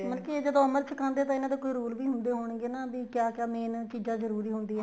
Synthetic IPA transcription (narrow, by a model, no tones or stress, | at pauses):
mənkid͡ʒəd̪õːəməɾt͡ʃʰɪkãːnd̪eːt̪ãːɪnãːd̪eːkoːiɾoːlʋiːɦʊnd̪eːɦoːɳ̃ɡeːnaːbiːkjaːkjaːmeːnt͡ʃiːzãːzəɾuːɾiːɦʊnd̪iːɦɛː